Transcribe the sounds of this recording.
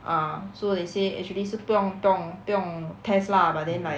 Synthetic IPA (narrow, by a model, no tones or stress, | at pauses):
ʔãsodeseʔɛ̰k̚t͡ʃuəlisɨpjɔŋpjɔŋpjɔŋt̪ʰɛslabad̪ɛ̃nla